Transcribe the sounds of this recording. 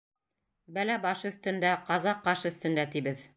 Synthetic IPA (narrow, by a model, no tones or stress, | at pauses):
bælæbɑʃɵ̆θt̪ɵ̆nd̪æqɑzɑqːɑʃɵ̆θt̪ɵ̆nd̪æt̪iβɘð